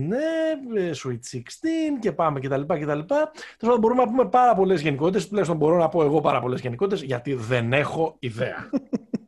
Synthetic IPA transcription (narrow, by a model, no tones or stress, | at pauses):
nesuit̪sikst̪ince̞pɐme̞ce̞t̪ɐlipɐce̞t̪ɐlipɐospɐðɐbo̞ɾumenɐp̬ume̞pɐɾɐpo̞le̞zʝe̞niko̞t̪it̪est̪ulɐjçst̪ombo̞ɾo̞nɐpo̞e̞ɣo̞pɐɾɐ̰po̞le̞zʝe̞niko̞t̪it̪e̞zʝɐt̪iðe̞ne̞xo̞iðe̞ɐ̰